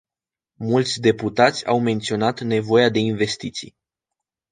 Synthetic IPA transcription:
mult̪sʲd̪e̞put̪at̪sʲawme̞nt̪sio̞nat̪ne̞vo̞jad̪e̞inve̞st̪it̪sḭj

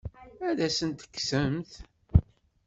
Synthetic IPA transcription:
æðæsənt̪ə̥kːsəmθ

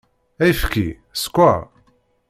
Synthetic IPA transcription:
æjfkḭ | skʷːa

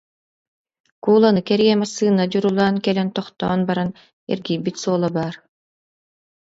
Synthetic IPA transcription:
kuːlˠanɯkɛɾiɛmasɯːnad͡ʑuɾulˠaːnkɛlɛnt̪ɔχt̪ɔːnbaɾan | ɛ̰ɾɡiːbit̪suːlˠabaːɾ

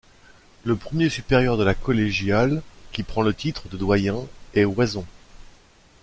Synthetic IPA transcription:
ləpχəmjesypɛʁjœʁd̪əlakɔleʒjalkʲipχɑ̃lət̪ʰit̪χəd̪əd̪wajɛ̃ɛwazɔ̃

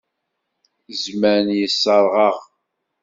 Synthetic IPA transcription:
zməɾnjəsːəɾˤʁəʁ

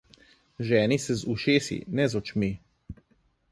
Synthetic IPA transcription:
ʒɛːnisɛzuʃeːsḭnɛzɔt͡ʃmi

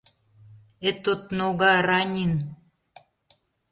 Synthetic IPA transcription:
et̪ot̪noɣɑɾɑnʲin

